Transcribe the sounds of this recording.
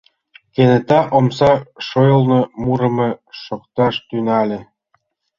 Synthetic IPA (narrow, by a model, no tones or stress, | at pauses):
kenĕt̪ɑʔomsɑʃojŏlˠnɤ̆muɾɤ̆mɤ̆ʃokt̪ɑʃt̪ynɑlʲĕ